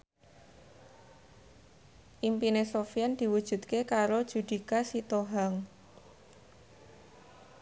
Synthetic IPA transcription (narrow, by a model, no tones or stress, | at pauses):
ʔimpinesofiand̪̥i̤wud̥ʒ̥ṳd̪̚kekaɾod̥ʒ̥ṳd̪̥i̤kasit̪oɦaŋ